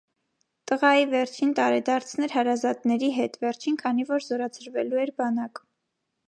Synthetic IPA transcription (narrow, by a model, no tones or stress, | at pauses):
t̪əʁɑjivɛɾt͡ʃʰint̪ɑɾɛd̪ɑɾt͡sʰnɛɾhɑɾɑzɑt̪nɛɾiɦɛt̪vɛɾt͡ʃʰinkʰɑnivɔɾzɔɾɑt͡sʰəɾvɛluɛɾbɑnɑk